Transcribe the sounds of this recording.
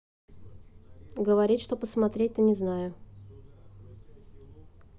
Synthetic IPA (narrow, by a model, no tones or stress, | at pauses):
ɡəvɐɾʲitʲʂt̪opəsmɐt̪ɾʲet̪̚ʲənʲɪznajʊ